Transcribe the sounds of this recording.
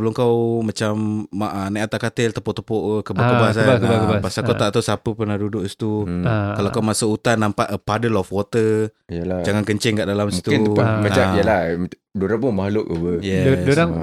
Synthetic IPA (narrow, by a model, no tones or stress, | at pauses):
bəlʊŋkawmat͡ʃamːaʔanajat̪aʔkat̪əlt̪əpɔʔt̪əpɔʔkəbakəbas̬aəakəbapasakaw̪aʔt̪awsapəpərnahdudʊksi̥t̪ukalakawmasuut̪anːampaʔəpadəlɔfwɔt̪əijəlad͡ʒaŋankəɲt͡ʃɛŋkaʔdalamsmi̥t̪uɪmat͡ʃaijəla | doɾapʊnmahlʊʔəwəjɛdoɾaŋ